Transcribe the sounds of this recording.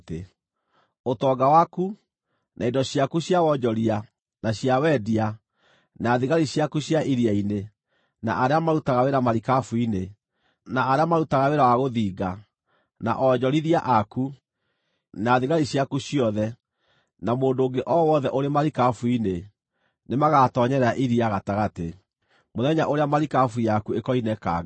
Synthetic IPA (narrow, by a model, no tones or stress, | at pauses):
te | otɔɡawaku | nʔa̰idɔɕjakuɕjawɔd͡ʑɔɾia | naɕjawɛdia | naðiɣaɾiɕjakuɕjaʔiɾiaine | na̰ʔaɾeamaɾutaɣaweɾamaɾikafwine | naːɾeamaɾutaɣaweɾawaɣoðiːɡa | na̰ʔɔd͡ʑɔɾiɾiaʔaku | naðiɣaɾiɕjakuɕijɔðɛ | namoːndoːŋɡeʔɔwɔðɛʔoɾemaɾikafuine | nemaɣatɔɲɛɾɛaʔiɾiaɣataɣate | moðɛɲaʔoɾeamaɾikafujakuekɔinɛka̰ɡ